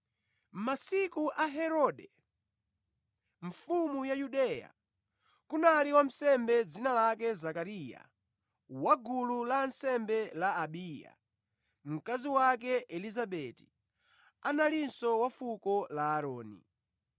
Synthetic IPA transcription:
m̩masikuʔaɦɛɾɔɗɛ | ɱfumujajuɗɛja̰ | kunaliwam̩sɛmbɛd͡zinalakɛzakaɾija̰ | waɡululansɛmbɛlaːɓiːja̰ | m̩kaziwak̬ɛʔɛlizaɓɛti̥ | analinsɔwafukɔlaːɾɔːnḭ

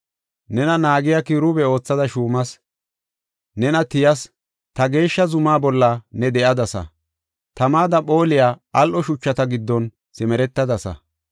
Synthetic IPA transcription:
nɛnɐnaːɡɪjakɪɾʊbɛo̞ːt͡sːɐd̪ɐʃuːmɐs | nɛnɐt̪ɪjɐs | t̪ɐɡe̞ːʃːɐzʊmaːbɔlːɐnɛd̪ɛʔɐd̪ɐsɐ̰ | t̪ɐmaːd̪ɐɓo̞ːlɪjaːɐlʔɔʃʊt͡ʃːɐt̪ɐɡɪd̪ːɔn | sɪmɛɾɛt̪ːɐd̪ɐsɐ̰

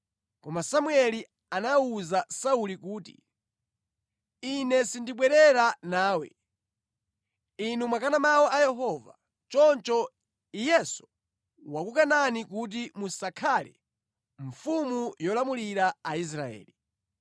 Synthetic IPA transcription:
kɔmasamuɛli | anauzasaulikuːtḭ | inɛsindiɓwɛɾɛɾanaːwɛ̰ | inumwakanamawɔʔajɛɦɔva̰ | t͡ʃɔnt͡ʃɔ | ijɛsɔ̥ | wakukananik̬ut̬imusakʰalɛ̰ | ɱfumujɔlamuliɾaais̬ɾa̰ɛ̰ːli

